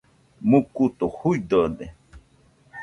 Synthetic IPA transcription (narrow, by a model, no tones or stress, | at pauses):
mukut̪ohuid̪ode